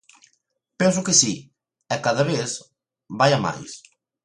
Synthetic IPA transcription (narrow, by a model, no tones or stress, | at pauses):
pɛns̬ʊkɪsi | ɛkaðɐβeθ | βajama̰js